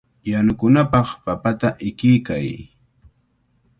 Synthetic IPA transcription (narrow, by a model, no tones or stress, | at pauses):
janʊkʊnapɑχpapat̪aʔɪkɪjkaj